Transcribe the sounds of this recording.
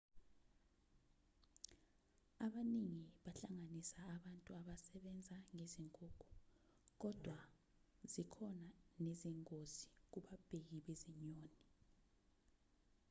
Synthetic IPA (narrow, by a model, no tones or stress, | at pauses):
aɓaniŋiɓaɬaŋanisaːɓantʼuaɓasɛɓɛnd͡zʱaŋeziŋkʼoːkʰu̥ | k̬ɔd̥ʱwa | zikʰɔnaneziŋkʼozi̥k̬uɓab̥ʱek̬iɓeziɲoːni